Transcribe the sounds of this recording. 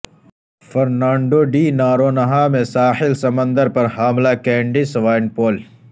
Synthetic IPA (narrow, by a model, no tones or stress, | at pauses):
fɐɾnaːɳɖoːɖiːnaːɾoːnɐɦaːmẽsaːhɪlsɐmɐ̃nd̪əɾpɐɾɦaːmlaːkeːɳɖisʋaːɪnpoːl